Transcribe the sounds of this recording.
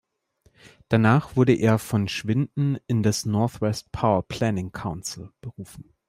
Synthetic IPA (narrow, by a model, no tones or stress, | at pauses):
d̥anaːχv̥ʊɐɾəʔeːɐfɔnʃv̥ɪndn̩ɪndasnɔɐθwɛst̚pʰaʊɐpʰl̥ɛnɪŋkʰaʊnsl̩b̥əʁuːfn̩